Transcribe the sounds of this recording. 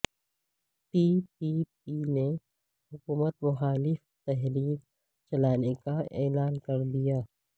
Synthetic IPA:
piːpipine | hʊkuːmət̪mʊxaːlɪft̪ɛɦliːl | t͡ʃɐlaːnekaɛːlaːnkɐɾd̪ijaː

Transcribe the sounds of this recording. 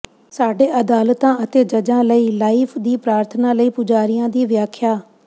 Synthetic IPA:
saːɖeːʔəd̪aːlt̪ãːət̪eːd͡ʒəd͡ʒãːləiːlaːiːpʰd̪iːpɾaːɾt̪ʰnãːləiːpʊd͡ʒaːɾɪjãːd̪iːʋjaːkʰːjaː

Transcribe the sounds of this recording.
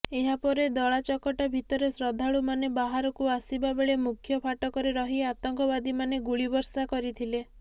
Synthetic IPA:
eɦapɔɾed̪ɔɭat͡ʃɔkɔʈabʱit̪ɔɾesɾɔd̪ʱaɭumanebaɦaɾɔkuasibabeɭemukʰjɔpʰaʈɔkɔɾeɾɔɦiat̪ɔŋkɔbad̪imaneɡuɭibɔɾsakɔɾit̪ʰile

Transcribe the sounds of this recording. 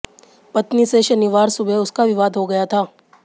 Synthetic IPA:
pɐt̪niseʃɐnɪʋaːɾsʊbʱeʊskaʋɪʋaːd̪ɦoɡɐjat̪ʰaː

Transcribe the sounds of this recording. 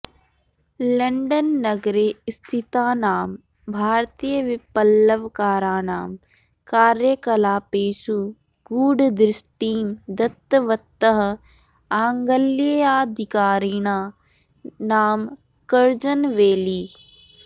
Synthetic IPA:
lɐɳɖənːɐɡɾest̪ʰit̪aːnaːm | bʱaːɾt̪iːjəʋɪpəlːəʋkaːɾaːnaːm | kaːɾjəkɐlaːpeːʃu | ɡuːɖd̪ɾɪsʈiːmd̪ɐt̪ːəʋɐt̪ːəɦ | ãːŋɡəleaːd̪ʱɪkaːɾiɽ̃aː | naːm | kəɾd͡ʒənʋeːliː

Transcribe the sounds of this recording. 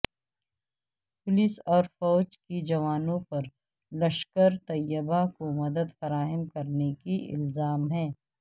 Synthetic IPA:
pʊlɪsɔːɾfɔːd͡ʒkid͡ʒɐʋaːnõpɐɾ | lɐʃkəɾt̪ɐjːəbakomɐd̪əd̪fɐɾaːɦəmkɐɾnekiɪ̰lzaːmɦɛ̃ː

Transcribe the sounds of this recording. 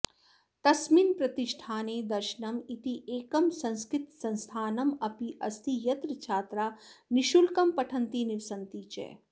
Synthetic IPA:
t̪ɐsmiːnpɾɐt̪ɪʃʈʰaːneːd̪ɐɾʃnɐmit̪iʔeːkɐmsɐ̃nskɾɪt̪sɐ̃nst̪ʰaːnɐmɐpiʔɐst̪ʰijɐt̪ɾət͡ʃʰaːt̪ɾaːnɪʃulkɐmpɐʈʰɐ̃nt̪inɪʋɪsɐnt̪iːt͡ʃɛ̰ː

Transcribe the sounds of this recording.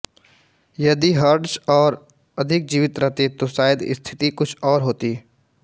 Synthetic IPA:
jɐd̪iɦəɾɖsɔːɾ | ɐd̪ʱɪk̚d͡ʒiːʋɪt̪ɾɐɦt̪et̪oʃaːjɪd̪ɪ̰st̪ʰɪt̪ikʊt͡ʃʰɔːɾɦoːt̪iː

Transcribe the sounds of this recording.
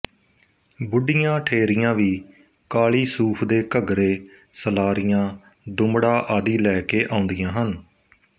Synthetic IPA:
bʊɖɪjãːʈʰeːɾɪjãːʋiː | kaːliːsuːpʰd̪eːkəɡɾeː | səlaːɾɪjãː | d̪ʊmɽaːʔaːd̪iːlɛːkeːʔãːʊnd̪ɪjãːɦən

